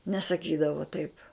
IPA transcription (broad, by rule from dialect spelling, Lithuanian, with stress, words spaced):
nʲɛsɐˈkʲiːdɐʋoː tɐɪp